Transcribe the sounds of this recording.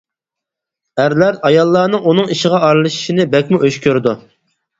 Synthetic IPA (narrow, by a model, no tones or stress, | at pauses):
æɾlæɾɑjɑlˠːɑːnɨŋunɨŋiʃɪʁɑɑɾlˠɨʃi̥ʃinɪbɛkʲmuʔøʃkʲøɾd̪u